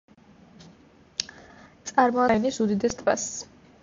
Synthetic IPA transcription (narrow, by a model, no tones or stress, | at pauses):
t̪sʼaɾmɔaɛnisud̪id̪ɛst̪ʰʼba̰s